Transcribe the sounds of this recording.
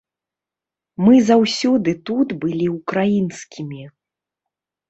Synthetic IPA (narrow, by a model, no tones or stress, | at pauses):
mɨzawsʲɔd̪ɨt̪ut̪bɨlʲiukɾajinskʲimʲi